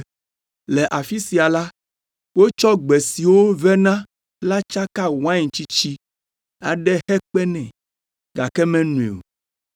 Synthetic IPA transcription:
lɛ˨ʔa˨fi˦si˨a˨la˦ | wo˦t͡ʃɔ˦ɡ͡bɛ˨si˨wo˦vɛ˦nã˦ | la˦t͡ʃa˦ka˦w̃ã˦˨t͡ɕi˦t͡ɕi˦ | a̰˨ɖɛ˦hɛ˦k͡pɛ˦nɛ̃˨ | ɡa˨kɛ˦mɛ̃˦nũ˨ḛ˨o̰˨

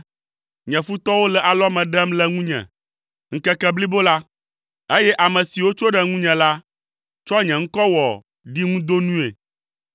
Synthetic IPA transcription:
ɲɛ̃˨fu˦t̪ɔ˦wo˦lɛ˨ʔa˨lɔ˦mɛ̃˨ɖɛ˦mlɛ˦ŋũ˦ɲɛ̰̃˨ | ŋ̩˦kɛ˦kɛ˦bli˦bo˦la˦ | e˦jɛ˦ʔa˨mɛ̃˨si˨wo˦t͡ʃo˦ɖɛ˨ŋũ˦ɲɛ̃˨la˦ | t͡ʃɔ˦ɲɛ̃˨ŋ̩˦kɔ˦wɔ˨ | ɖi˦ŋũ˦d̪o˦nũ˦ḛ˨

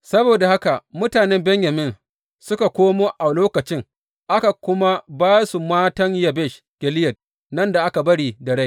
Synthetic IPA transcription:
sɐ˦boː˨da˨ha˦ka˨mʊ˦taː˨nɛ˦mbɛ˦ɲjɐ˨mɪ˦n | sʊ˦ka˨kʷoː˦moː˦ʔa˨loː˦kɐ˨t͡ʃɪ˦ŋ | ʔa˦ka˨kʷʊ˦ma˦baː˦su˨maː˦tɐ˦ŋjɐ˨bɛ˦˨ʃ | ɡ̥ʲɛ˨lɪ˦jɐ˨t̚ | nɐ˦nda˨ʔa˦ka˨bɐ˦ɽiː˨dɐ˨ɽa˦j

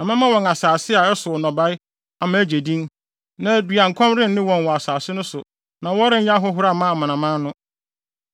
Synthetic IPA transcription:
ã˨mɪ̃˦mã˦wɔ̃˨ŋa˨saː˨sɪ˦a˨ɛ˦sʊ˨ɔ˨nɔ̃˨ba˦ɪ˦ | a˨mã˦æ˦d͡ʑe˨dĩ˦n | nã˦˨dɥa˨ŋ̩˨kʰɔ̃˦mɾɪ̃˦n̩˦nɪ̃˦wɔ̃˨n˨wɔ˨a˨saː˨sɪ˦nʊ̃˦sʊ˨ | nã˨wɔ˦ɾɪ̃˦ja˦ɦɔ˦ɦʊ˦ɾa˦˨mã˦˨mã˨nã˨mã˦nʊ̃˦

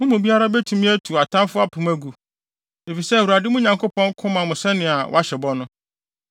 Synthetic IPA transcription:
mʊ̃˦mʊ̃˨bi˦a˦ɾa˦bɛ˦tʰũ˨˦mĩ˦æ˦tʰu˨a˨tʰã˦mfʊ˦a˦pʰʊ̃˨mæ˦ɡu˨ | e˨fi˨sɛ˦˨wu˨a˨dɪ˦mʊ̃˦ɲã˨ŋkʰo˦pʰɔ̃˦ŋ˦kʰʊ̃˦mã˨mʊ̃˨sɛ˦nɪ̃˨a˨wɔ̰˦a˦ɕɛ˨bɔ˦nʊ̃˦

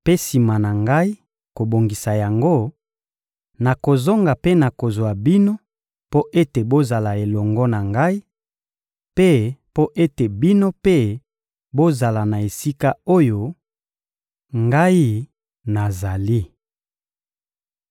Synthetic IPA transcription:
pe˦si˨ma˨na˨ŋɡa˦i˦ | ko˨bo˨ŋɡi˨sa˨ja˨ŋɡo˦ | na˨ko˨zo˦ŋɡa˨pe˦na˨ko˨zwa˨bi˦no˦ | po˦ʔe˦te˨bo˦za˨la˨e˨lɔ˨ŋɡɔ˦na˨ŋɡa˦i˦ | pe˦po˦ʔe˦te˨bi˦no˦pe˦ | bo˦za˨la˨na˨e˨si˦ka˦o˦jo˦ | ŋɡa˦i˦ | na˨za˨li˦

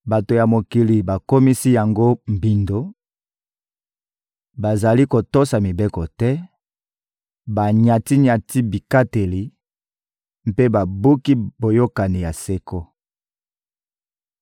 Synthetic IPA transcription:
ba˨to˨ja˨mo˨ki˨li˨ba˨ko˦mi˦si˦ja˨ŋɡo˦m̩˨bi˨ndo˦ | ba˨za˨li˦ko˨to˦sa˨mi˨be˦kɔ˨tɛ˦ | ba˨ɲa˨ti˦ɲa˨ti˦bi˨ka˦te˨li˨ | m̩pe˦ba˨bu˦ki˦bo˨jo˦ka˨ni˨ja˨se˦ko˦

